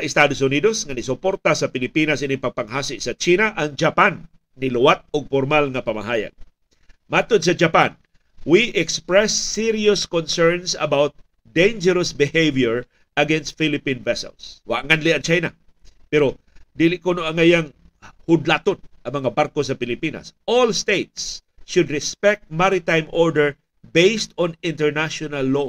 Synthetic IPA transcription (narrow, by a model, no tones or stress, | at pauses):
ɐʔɪst̪ad̪osʊnid̪osŋɐnɪsʊpoɾt̪asɐpɪlɪpinasʔinɪpɐɡ̚paŋɦasɪʔsɐt͡ʃinaʔɐŋd͡ʒapanː | ilʊwat̪̚ʊɡ̚foɾmalŋɐpɐma̰ɦaːja̰ɡ̚ | mat̪od̪̚s̬ɐd͡ʒapan | wiʔɛkspɹɛsːɪɾiʊskɔnsɛɹnsɐ̰bawt̪̚ | d̪ejnd͡ʒɛɾɐsbɪhejvjɛɹ | ʔɐɡɛnst̪filɪpĩnvɛsɛ̰lswa̰ŋanlɪɐnt͡ʃajna̰ | pɛɾo | d̪ilɪʔkonoʔaŋajaŋ | hʊd̪lat̪onʔɐŋmɐŋabaɾkos̬ɐpɪlɪpinɐ̰sʔolst̪et̪̚sʃʊd̪ɹɪspɛk̚t̪̚maɾɪt̪ajmʔoɹdɛɹ | bejst̪ɔ̃nɪ̃nt̪ɛɹnaʃɔnalːo